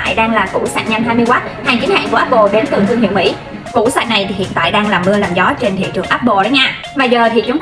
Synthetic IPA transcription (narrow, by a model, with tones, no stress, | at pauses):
a̰ː˧˨jɗaː˧ŋlaː˨˩kṵ˧˩sa̰ː˧˩t̚ɲa˧nt̪ʰaː˧jmi˧waː˦˥t̚haː˨˩ŋt͡ɕi˨˦nha̰ː˧˨ŋku˧˩əaː˦˥p̚ɓo̰˧˨ɗe˨˦nt̪ɨ˨˩əŋzɨ˧ŋhḭ˧˨əwmḭ˧˥ | kṵ˧˥sa̰ː˧˩na˨˩jt̪ʰi˨˩hḭ˧˨ənt̪a̰ː˧˨jɗaː˧ŋlaː˨˩mɨ˧əlaː˨˩mzɔ˨˦t͡ɕe˧nt̪ʰḭ˧˨t͡ɕɨ˨˩əŋʔaː˦˥p̚ɓo̰˧˨ɗɔ˨˦jɲaː˧˩ | vaː˨˩zəː˨˩t̪ʰi˨˩t͡ɕŋ͡m